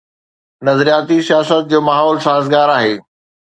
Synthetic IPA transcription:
nɐzɾijaːt̪isijaːsət̪̚d͡ʑoːmaːɦɔːlsaːɦɪzɡaːɾaːɦeː

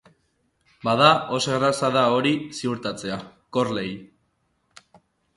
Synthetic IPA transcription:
bað̞ao̞soɣɾasaðao̞ɾisiuɾt̪at͡se̞ako̞rle̞j

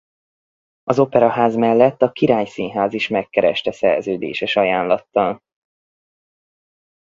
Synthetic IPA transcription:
ɒzo̞pɛɾɒɦaːzmɛlːɛt̪ːɒkiɾaːjsinɦaːziʃmɛkːɛɾɛ̰ʃt̪ɛsɛ̰rzøːd̪ḛːʃɛʃɒjaːnlɒt̪ːɒl

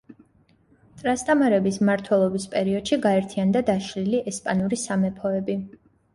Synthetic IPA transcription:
t̪ʼɾast̪ʼamaɾɛbismaɾt̪ʰwɛlˠɔbispʼɛɾiɔd̪̥ʃiɡaɛɾt̪ʰiand̪ad̪aʃliliʔɛspʼanuɾisamɛpʰɔɛbi

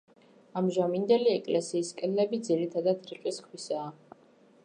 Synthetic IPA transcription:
amʒamind̪ɛliɛkʼlɛsiːskʼɛd̪lɛbid̪ziɾit̪ʰad̪ad̪ɾiqʼiskʰwisaː

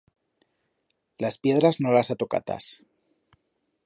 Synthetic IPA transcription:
laspje̞ðɾaznolasat̪oka̰t̪a̰s

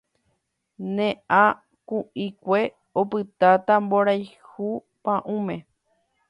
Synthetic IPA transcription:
nẽʔã | kũʔĩkʷe̞ | opɨt̪at̪amboɾajhu | pãʔũmẽ

